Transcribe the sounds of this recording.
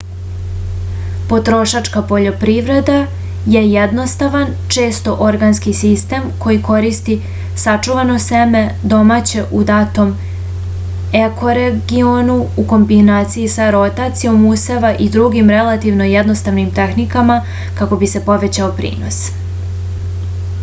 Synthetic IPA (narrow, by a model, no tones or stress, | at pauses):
po̞t̪ɾo̞ʃat͡ʂkapo̞ʎo̞pɾiʋɾe̞d̪a | jejed̪no̞st̪aʋant͡ʃe̞ːst̪o̞ʔo̞ɾɡanskisist̪e̞mko̞jiko̞ɾist̪i | sat͡ʂuʋano̞seme̞d̪o̞maːt͡ɕe̞ʔud̪aːt̪o̞m | eko̞ɾeɡionuuko̞mbinaːt̪sijisaɾo̞t̪at̪sijo̞museʋaʔid̪ɾuɡimɾe̞lˠat̪iʋno̞jed̪no̞st̪aʋnimt̪exnikama | kako̞bise̞po̞ʋe̞t͡ɕaopɾḭːno̞̰s